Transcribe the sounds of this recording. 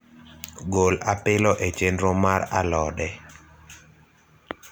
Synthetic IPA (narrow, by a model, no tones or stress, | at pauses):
ɡolapɪlɔʔet͡ʃendɾomaɾalɔdɛ